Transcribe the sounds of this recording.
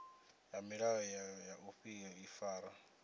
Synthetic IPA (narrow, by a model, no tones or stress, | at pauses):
jamiɺaɔjajaʔuɸijɔifaːɾa